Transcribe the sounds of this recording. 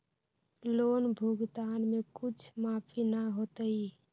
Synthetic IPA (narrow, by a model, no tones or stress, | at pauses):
loːnbʱuɡd̪anmekut͡ʃʰmapʰinaɦot̪əi